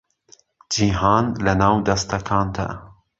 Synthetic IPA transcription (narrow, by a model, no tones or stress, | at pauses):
d͡ʒiːɦɑːnlɐnaːwd̪ɐst̪ɐkʰɑːnt̪ɐ̰